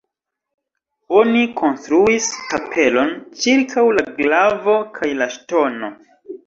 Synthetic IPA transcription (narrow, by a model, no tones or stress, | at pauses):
o̞nikʰo̞nstɾuiskapʰe̞lo̞nt͡ʃiɾkʰawlaɡlavo̞kʰajlaʃto̞no̞